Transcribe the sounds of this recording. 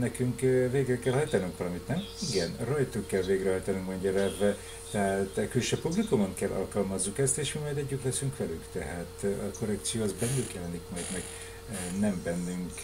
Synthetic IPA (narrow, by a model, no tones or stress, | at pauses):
nɛkyŋkveːɡrɛkɛlhɒjt̪ɒnyŋkvɒlɒmit̪nɛmiɡɛnrɒjt̪ukːɛlveːɡrɛɦɒjt̪ɒnyŋkmɛɲɟɒɾɛvɛ | t̪ɛɦat̪kylʃøːpublikumoŋkɛlːʔɒ̰lkɒlmɒzːukɛst̪eːʃmimɒjd̪ɛɟːyt̪lɛsyŋkʋɛly̰kt̪ɛ̰ɦaːt̪ɒko̞rɛkt̪sijoːɑzbɛnːylkjɛlɛnikmɒjd̪mɛɡ | nɛmbɛnːyŋk